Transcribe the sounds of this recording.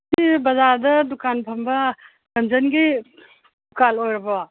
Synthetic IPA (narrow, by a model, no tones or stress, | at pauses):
kibɐzaɾd̪ɐd̪ukanpʰɐmba | ɡɐnd͡ʒɐnɡi | dukalojɾbɔ